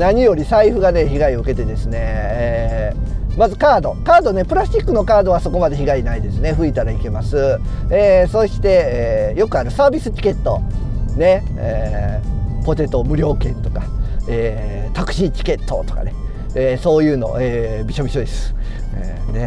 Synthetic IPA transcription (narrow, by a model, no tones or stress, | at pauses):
naɲ̟ijo̞ɾʲisaiɸɯ̟ɡane̞çiɡaiɯ̟ke̞t̪e̞d̪e̞sɨne̞ | mazɨkaːd̪o̞kaːd̪o̞ne̞pɯ̟ɾaɕikːɯ̟no̞kaːd̪o̞β̞aso̞ko̞mad̪e̞çiɡainaid̪e̞sɨne̞ɸɯ̟it̪aɾaike̞masɨeːso̞ɕi̥t̪e̞ejo̞kɯ̟aɾɯ̟saːbʲisɨt͡ɕi̥ke̞t̪ːo̞̰ne̞e | po̞t̪e̞t̪o̞mɯ̟ɾʲo̞ːkẽ̞nt̪o̞kaeːt̪akɯ̟̥ɕit͡ɕi̥ke̞t̪ʰːo̞̰t̪o̞̥ka̰ne̞ | eso̞ːjɯ̟ːno̞̰ʔeːbʲiɕo̞bʲiɕo̞d̪e̞sɨ̥ | ne̞